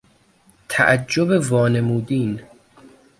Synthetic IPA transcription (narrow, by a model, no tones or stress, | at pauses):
t̪ʰæ̰ʔæd͡ʒːobe̞vɒːne̞muːd̪iːn